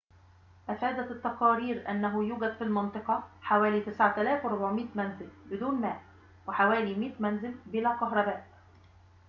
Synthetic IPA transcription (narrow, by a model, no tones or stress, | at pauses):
ʔæfæːd̪æt̪ːɑqɑːɾiːɾʔa̰nːaɦʊjuːɡæd̪filmɑnt̪ˤɨqɑħawæːliːt̪ɪsʕat̪alæːfwɪɾˤʊbʕmiːt̪mænzɪlbɪd̪uːnmæːʔ | wɪħawæːlimiːt̪mænzɪlbɪlæːkɑɦɾˤɑbæːʔ